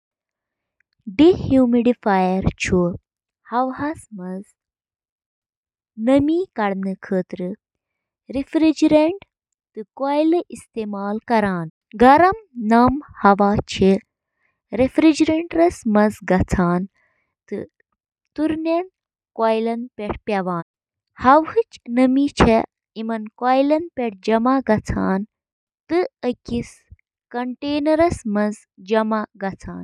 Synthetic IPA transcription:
ɖihjuːmiɖifaːjɐɾt͡ʃʰu | hɐʋɦɐsmɐz | nɐmiːkɐɽnɨkʰəːt̪ɾɨ | ɾifɾid͡ʒɾeɳʈ | t̪ɨkojlɨʔist̪eːmaːlkɐɾaːn | ɡɐɾɐmnaːmhɐʋaːt͡ʃʰi | ɾefɾid͡ʒɾeɳʈɾɐsmɐnzɡɐt͡sʰaːn | t̪ɨ̰ | t̪uɾnɐn | kaːjlɐnpeʈʰpʲɐʋaːn | hɐwhɨt͡ʃnɐmit͡ʃʰe | imɐnkaːjlɐnpʲeʈʰd͡ʒɐmaɡɐt͡sʰaːn | t̪ɨəkis | kɐɳʈeːnɐɾɐsmɐnz | d͡ʒɐmaɡɐt͡sʰa̰ːn

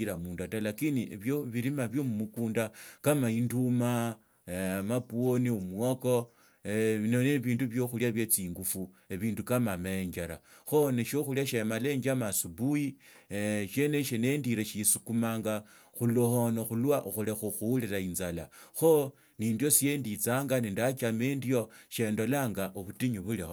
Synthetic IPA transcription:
iɾamuːndatalakiniβjoβiɾimaβjo̞mumukuːndakamainduma | mapuoniomuoko̞ | noneβiːnduβjo̞xuljaβjet͡siːŋɡufu | eβiːndukamamaeɲd͡ʒaɾa̰xoneʃo̞xuljaʃemale̞ɲd͡ʒamasubuji | ʃe̞neʃenendiɾeʃisukumaːŋɡa | xulohonoxulwaʔuxulexuxuliɾainzalaxo | niːndjo̞sije̞ndit͡saːŋɡanindat͡ʃameːndio̞ʃe̞ːndo̞laŋɡaʔoβutiɲuβuleho

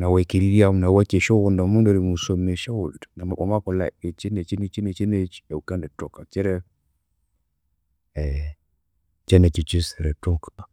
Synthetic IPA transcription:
nawekiɾiɾiamnawat͡ʃeʃɔwɔndamundoɾimusomneʃawoldnamaʔamakɔla̰et͡ʃenɛt͡ʃinit͡ʃinet͡ʃinet͡ʃɛukandɛtɔkat͡ʃɛɾɛ | ɛ | t͡ʃɛnɛt͡ʃit͡ʃisɾɛtoka

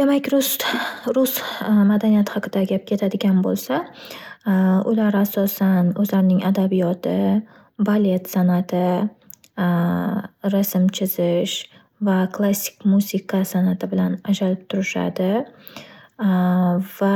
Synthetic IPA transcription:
d̪̥e̞makʲɾʊsɾʊsmad̪anijat̪hɑqʰɨd̪aɡʲap̚kʲʰe̞t̪ʰad̪ɪɡʲanbolˠsa | ʊlaɾasɒsanɵzlaɾɪnɪŋad̪abijɒt̪ʰɪ | bale̞t̪sanat̪ʰɪ | ɾasɪmt͡ʃʰɪzɪʃ | vakʰlˠasːɪ̥kʲmuzɪkʰasanat̪ʰɪbɪlanad͡ʒalɪp̚t̪ʰʊɾɪʃa̰d̪ɪ | va

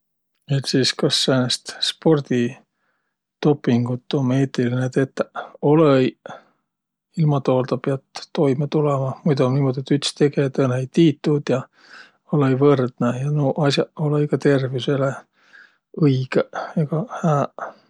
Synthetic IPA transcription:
et̪siːskɑsːenest̪spo̞rd̪̥i | t̪o̞pːiŋɡ̥ut̪ːˑo̞meːt̪ilinet̪et̪ːo̞lej | ilmɑt̪o̞ːld̪ɑpeɑt̪t̪ːo̞jmɑt̪ulɛmɑmujd̪uniːmo̞d̪̥ʲet̪ːyt̪st̪e̞ɡet̪eneejt̪iːt̪ːˑud̪̥jɑ | olejvɤrd̪̥nejɑnoʔɑsjɑolejkɑt̪e̞rvisele | ɯjɡ̥eeɡ̥ɑhæː

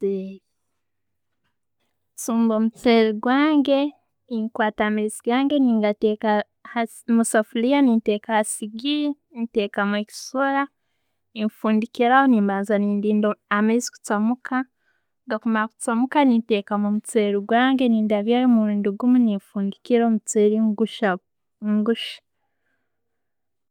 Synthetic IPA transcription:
eɾi | suːmbomut͡seɾiɡwaːŋɡe̞ | niŋkwaːtaːmeiziɡaːŋɡe̞niːŋɡateːka | ha | musafulianinteːkahasiɡi | nite̞ːkamueki̥soɾa | niɱfuːndikiɾahoniːmbaːnzaniːndiːndoamezi̥ku̥t͡samukʰa | ŋɡakumaku̥t͡samukanite̞kamumut͡seɾiɡwaːŋɡe̞niːndaβjajomuɾuːndiɡumunifuːndikiɾomut͡seɾiŋɡuʃa | ŋɡuʃḁ

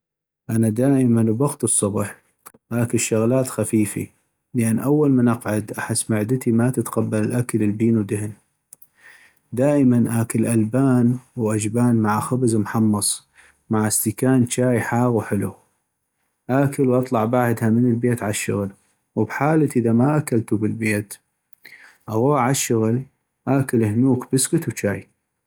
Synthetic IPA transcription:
ʔanad̪aːʔəmanwbɑɣt̪ɨsˤːɑbħ | ʔaːkɪlʃːʊɣlaːt̪xafiːfḭ | ləʔanːʔawːalmanʔɑqʕʊd̪ʔaħɪsːmaʕd̪ɪt̪imat̪ɪt̪qabːalɪlʔakaləlbiːnwd̪ɪhn | d̪aːʔmanʔaːkɪlʔalbaːnwʔad͡ʒbaːnmaʕaxabzmħɑmːɑsˤ | maʕast̪ikaːnt͡ʃaːjħaːɣwħɪlu | ʔakəlwʔɑt̪ˤlɑʕbaʕd̪hamənəlbeːt̪ʕaʃːʊ̰ɣl | wbħaːlaʔɪðamaʔakalt̪ubɪlbeːt̪ | ʔaɣuːʕʕaʃːʊɣl | ʔaːkɪlhnuːkb̥ɪskʊt̪wt͡ʃaːj

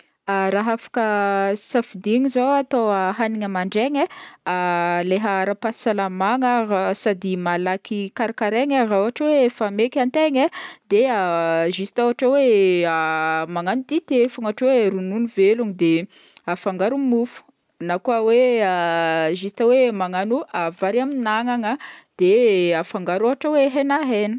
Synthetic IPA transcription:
aɾaɦafḁkəsafid̪iŋizoat̪owaɦaniŋəmaɳɖ͡ʐeŋealeɦaɾapasalamaŋəasad̪imalakikaɾakaɾeŋarauaʈ͡ʂawefamekʲant̪eŋed̪eaʒisi̥t̪uaʈ͡ʂaweamaŋanud̪it̪efaŋaʈ͡ʂoweɾununuveluŋid̪e | afaŋɡaɾumufu̥ | nakuaweaʒist̪awemaŋanuavaɾaminaŋaŋəd̪̥eafaŋɡaɾoɦaʈ͡ʂəweɦenaɦeni̥

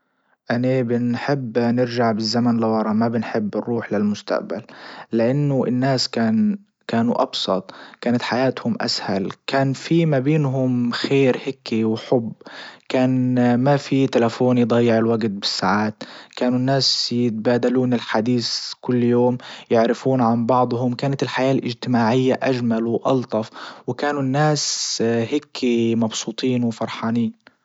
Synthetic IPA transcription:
ʔanabɪnħɪbːnɪɾʒaʕbɪzːamanlɪwɑɾˤɑmabɪnħɪbːɪɾːuːħlɪlmʊst̪a̰ʔba̰lːɪʔanːʊʔɪ̰nːaːskaːn | kaːnṵʔɑ̰bsˤɑ̰t̪ˤkaːnat̪ħajaːt̪hʊmʔa̰shalkaːnfimabiːnɦʊmxeːɾhɪkːiwħʊbkaːnmafit̪ɪlafoːnjd̪ˤɑjːɪʕɪlwaɡt̪̚bɪsːaʕaːt̪kaːnunːaːsjɪt̪̚baːd̪aluːnɪlħad̪iːskʊlːjoːmjɪʕɾɪfuːnʕanbɑʕd̪ˤhʊmkaːnat̪ɪlħajaːlʔɪd͡ʒt̪ɪmaːʕɪjːaʔaʒmalwʔɑlt̪ˤɑfwɪkaːnunːaːshɪkʰːimɑbsuːt̪ˤiːnwɪfɑɾˤħɑːniːn

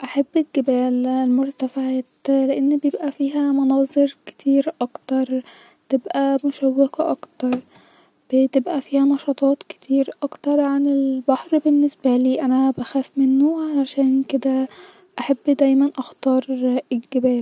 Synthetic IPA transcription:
ʔaħabːelɡebæːllmoɾt̪æfaʕat̪leʔenːbejebʔæfiːɦæmɑnɑːzˤeɾke̥t̪ʰiːɾʔɑkt̪ɑɾˤ | t̪ebʔæmoʃæwːekɑʔɑkt̪ɑɾˤ | b̥et̪ebʔæfiːhænɑʃɑt̪ˤɑːt̪ke̥t̪ʰiːɾʔɑkt̪ɑɾˤʕanelbaħɾbenːesbæliːʔænæbæxæːfmenːoaalaʃæːnked̪æ | ʔaħabːd̪æjmænʔɑxt̪ɑːɾˤelɡebæːl

